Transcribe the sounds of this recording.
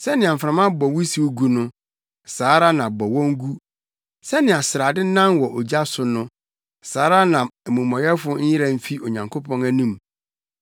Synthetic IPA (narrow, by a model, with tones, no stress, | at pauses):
sɛ˦nɪ̃˨a˨m̩˨fɾã˨mã˦bɔ˨wi˦si˨˦wo˦ɡu˦nʊ̃˦ | saː˨˦ɾa˦nã˨bɔ˨wɔ̃˦ŋ̩˦ɡu˦ | sɛ˦nɪ̃˨a˨sɪ˨ɾa˨dɪ˦nã˦nwɔ˨ʔo˨d͡ʑa˦sʊ˨nʊ̃˦ | saː˨˦ɾa˦nã˨æ˨mũ˨mɔ̃˨jɛ˦fʊ˦ɲ̩˦jɪ˦ɾa˨m̩˦fi˦o˨ɲã˨ŋkʰo˦pʰɔ̃˦næ˦nĩ˦m